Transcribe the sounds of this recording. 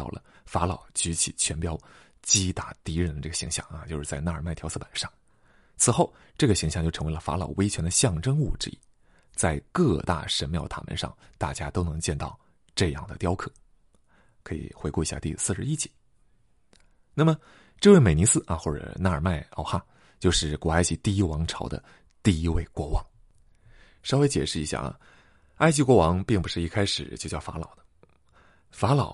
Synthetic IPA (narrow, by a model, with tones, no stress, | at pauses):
ɑ̰˥˩ʊlʔə̰˩fa˧˥lɑ˨˩ʊt͡ɕy˧˥t͡ɕʰḭ˨˩t͡ɕʰɥɛ˧˥npjɑ˥ʊ | t͡ɕi˥t̪a˥˩t̪i˧˥ɻə˧˥nd̪ə˧ʈ͡ʂɤ˥˩ɡə˩ɕi˧˥ŋɕjɑ̰˥˩ŋa˧t͡ɕjo˥˧ʊʂɻ̩˥˧t͡sa˥˧ɪna˥˩ə˞˨˩ma˥˩ɪt̪ʰjɑ˧˥sʰɤ˥˩pa˨˩nʂɑ˥˩ŋ | t͡sʰɹ̩˨˩xo˥˧ʊ | ʈ͡ʂɤ˥˩ɡə˩ɕi˧˥ŋɕjt͡ɕo˥˩ʈ͡ʂʰɤ˧˥ŋwe˧˥ɪlə˧fa̰˧˥lɑ˨˩ʊwe˥ɪt͡ɕʰɥɛ˧˥nd̪ə˧ɕjɑ˥˧˩ŋʈ͡ʂɤ˥ŋu˥˩ʈ͡ʂɻ̩˥˧ḭ˥ | t͡sa˥˧ɪkɤ˥˧t̪a̰˥˩ʂə˧˥nmjɑ˥˩ʊt̪ʰa̰˨˩mə̰˧˥nʂɑ̰˥˧ŋt̪a̰˥˩t͡ɕja˥t̪o˥ʊnɤ˧˥ŋt͡ɕjɛ˥˧nt̪ɑ̰˥˧ʊ | ʈ͡ʂɤ˥˧jɑ̰˥˩ŋd̪ə˩t̪jɑ˥ʊkʰɤ˨˩˦ | kʰɤ˧˥ḭ˨˩xwe˧˥ku˥˩i˧˩ɕja̰˥˧t̪i˥˧˩sɹ̩˥˩˧ʂɻ̩˥˧i˥t͡ɕi̥˨˩˦ | na˥˩mə˩ | ʈ͡ʂɤ˥˧we˥˩ɪme˨˩ɪni˧˥sɹ̩˥ʔɐ̰˧xwɔ˥˩ʈ͡ʂɤ̰˨˩na˥˩ə˞˨˩ma˥˩ɪɑ̰˥˧˩ʊxa˥˩ | t͡ɕjo˥˧ʊʂɻ̩˥˩kwɔ˨˩a˥ɪt͡ɕʰi˧˥t̪i˥˧i˥wɑ˧˥ŋʈ͡ʂʰɑ˧˥ʊd̪ə̰˧ | t̪i˥˧i˧˥we˥˩ɪkwɔ˧˥wɑ˧˥ŋ | ʂɑ˥ʊwe˥ɪt͡ɕjɛ˨˩ʂɻ̩˥˩i˧˥ɕja̰˥˩ | a˥ɪt͡ɕʰi˧˥kwɔ˧˥wɑ˧˥ŋpi˥˩ŋpu˧˥ʂɻ̩˥˩i˥˩kʰa˥ɪʂɻ̩˨˩t͡ɕjo˥˧ʊt͡ɕjɑ˥˩fa̰˧˥lɑ̰˨˩ʊd̪ə˦ | fa˧˥lɑ˨˩˦ʊ